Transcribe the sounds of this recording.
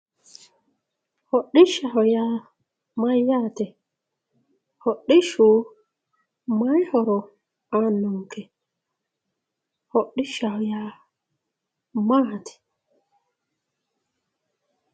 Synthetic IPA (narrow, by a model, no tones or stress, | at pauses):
hɔɗːiʃahɔja | majatɛ | hɔɗːiʃu | majhɔɾɔ | anuŋkɛ | hɔɗːiʃahɔja | matɛ̥